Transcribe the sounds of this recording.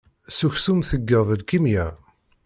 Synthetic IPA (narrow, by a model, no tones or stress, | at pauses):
suçsumθəɡːəðˤəlkimjæ